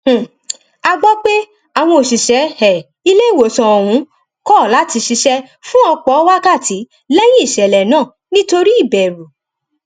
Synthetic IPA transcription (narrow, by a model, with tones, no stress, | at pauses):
a˧ɡ͡bɔ˦k͡pe˦ | a˨w̃ɔ̃˧o˨ʃi˨ʃɛ˨˦hɛ˨ | i˧le˦˨wo˨sɔ̃˧ɔ˨ɾ̃ũ˨˦ | kɔ˦˨la˨˦ti˧ʃi˧ʃɛ˦ | fũ˦ɔ˧k͡pɔ˨˦wa˦ka˦˨tʰi˨˦ | lɛ˦j̃ĩ˦i˦˨ʃɛ˨lɛ˨nãː˦˨ | nĩ˦to˧ɾi˦i˦˨bɛ˨ɾu˨